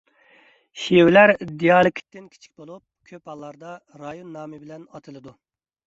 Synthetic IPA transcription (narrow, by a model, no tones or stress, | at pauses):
ʃiwlæɾd̪ijɑːlˠɪkʲʰi̥t̪ːɪnkʲʰi̥t͡ʃʰi̥kʲbolˠup̚kʲʰøp̚ɑlˠːɑɾd̪ɑ | ɾɑjonːɑːmɨbɪlɛnɑt̪ʰɨlˠɨd̪u